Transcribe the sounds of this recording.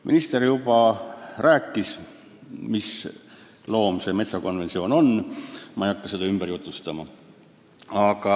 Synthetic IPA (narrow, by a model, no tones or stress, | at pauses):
mʔḭnist̪eɾjubɑræːkːis | mis | lo̞ːmse̞me̞t̪sɑko̞nve̞nt̪sio̞ːno̞nmɑejɑkːɑse̞d̪ɑymb̥eɾjut̪ˑːust̪ɑmɑ | ɑɡ̥ɑ